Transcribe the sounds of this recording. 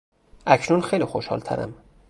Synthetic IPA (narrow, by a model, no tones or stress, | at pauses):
ʔæcʰnunxejliːxoʃhɒ̰ːlt̪ʰæ̰ɾæ̰m